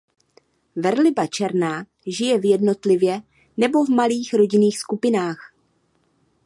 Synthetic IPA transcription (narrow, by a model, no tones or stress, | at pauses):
vɛɾlɪbat͡ʃɛɾnaː | ʒɪjɛvjɛdno̞t̪lɪvjɛ | nɛbo̞vmaliːxɾo̞ɟɪniːxskupɪnaːx